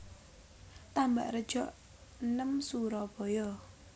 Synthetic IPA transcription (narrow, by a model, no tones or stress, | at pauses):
t̪amba̰ʔrəd̥ʒ̥ɔʔ | nəmsuɾɔb̥ɔ̤jɔ